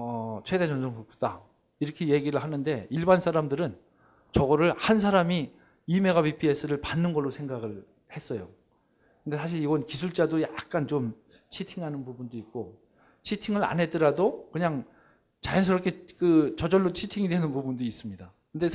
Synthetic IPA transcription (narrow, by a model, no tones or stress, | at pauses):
ʌt͡ɕʰwe̞de̞t͡ɕʌnsʰʌŋkuk̚ut͈a̰ | iɾʌkʰe̞je̞ɡiɾɯɭhanɯnde̞iɭbansʰaɾamdɯɾɯn | t͡ɕʌɡʌɾɯɭhans̬ʰaɾami | ime̞ɣapipʰies͈ʰɯɾɯɭpanːɯnɡʌɭːosʰe̞ŋɡaɡɯɭ | he̞s͈ʌjo | kɯnde̞sʰaɕ̬ʰiɾiɡʌnkisʰuɭt͡ɕ͈adojak̚k͈ant͡ɕom | t͡ɕʰitʰiŋɦanɯnpubundoik̚k͈o | t͡ɕʰitʰiŋɯɾa̰nɦe̞t͈ɯɾadokɯɲaŋ | t͡ɕajʌns̬ʰɯɾʌp̚kʰekɯt͡ɕʌd͡ʑʌɭːot͡ɕʰitʰiŋidwenɯnpubundois͈ɯmɲidakɯnde̞